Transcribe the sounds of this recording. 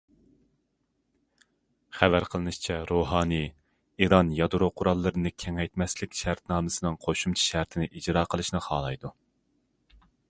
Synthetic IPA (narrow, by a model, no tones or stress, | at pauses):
χævæɾqʰəlˠɨnɨʃt͡ʃʰɛɾoɦɑːnɨ | iɾɑnjɑd̪uɾoqʰʊɾɑlˠːɨɾɨnɨkʲʰɛŋɛjt̪mɛslɪkʲʃæɾt̪nɑːmɨsɨnɨŋqʰoʃumt͡ʃʰɛ̥ʃæɾt̪ʰɪnɪʔid͡ʒɾɑːqʰəlˠɨʃnɨχɑ̰ːlˠɑjd̪u